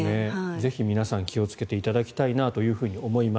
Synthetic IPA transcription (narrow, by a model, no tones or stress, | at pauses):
neze̞çimʲinasãŋkʲio̞t͡sɨ̥ke̞t̪e̞it̪ad̪akʲi̥t̪ainat̪o̞jɯ̟ːɸɯ̟ːɲ̟io̞mo̞ima